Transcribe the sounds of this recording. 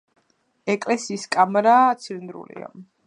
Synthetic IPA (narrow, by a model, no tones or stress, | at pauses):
ɛkʼlɛsiːskʼamɾaːt̪sʰind̪ɾṵlḭa̰